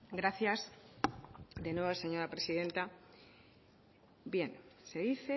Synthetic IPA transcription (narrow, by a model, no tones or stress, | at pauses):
ɡɾaθjaz | d̪e̞nweβse̞ɲo̞ɾapɾe̞siðẽ̞nt̪a | bje̞nse̞ðiθe